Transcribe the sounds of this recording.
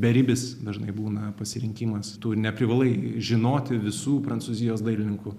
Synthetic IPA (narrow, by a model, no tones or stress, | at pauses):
bʲɛɾʲɪbʲɪsd̪ɐʒnɐɪbuːnɐpɐsʲɪɾʲɪŋʲkʲiːmɐst̪uːɾʲnʲɛpʲɾʲɪʋɐlˠɐɪʒʲɪnoːt̪ʲɪʋʲɪsuːpɾɐnsuːzʲɪjoːsd̪ɐɪlʲɪnʲɪŋkʊ